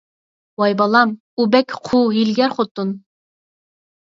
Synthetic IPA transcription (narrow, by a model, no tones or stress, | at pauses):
wɑjbɑlˠɑm | ubɛkʲqʰuɦilɡʲɛɾχot̪ːun